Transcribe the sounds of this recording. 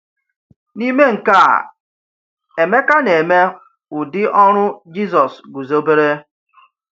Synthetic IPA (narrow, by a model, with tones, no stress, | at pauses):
ni˦me˦ŋ̩˨ka˦˨ | e˨me˦ka˦ne˨me˦ | ʊ˨dɪ˦ʔɔ˦ɾ̃ʊ˦d͡ʒi˦zɔ˨sɡu˨zo˦be˦ɾe˦